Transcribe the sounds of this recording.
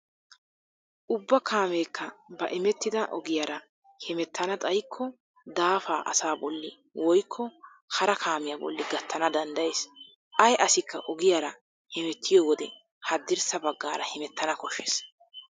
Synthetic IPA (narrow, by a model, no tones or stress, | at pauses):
ʔʊbːɐkʰaːmeːkʰːɐbɐʔɪmɛt̪ːɪd̪ɐʔɔɡɪjaɾɐ | hɛmɛt̪ːɐnɐt̪ʼɐjkʰːɔ | d̪aːfaːʔɐ̰saːbɔlːɪ | wɔjkʰːɔ | hɐɾɐkʰaːmɪjabɔ̰lːɪɡɐt̪ːɐnɐd̪ɐnd̪ɐjeːs | ʔɐjʔɐsɪkʰːɐʔɔɡɪjaɾɐ | hɛmɛt̪ʰːɪjɔːwɔd̪ɛ | hɐd̪ːɪɾsɐbɐɡːaːɾɐhɛmɛt̪ːɐnɐkɔʃːes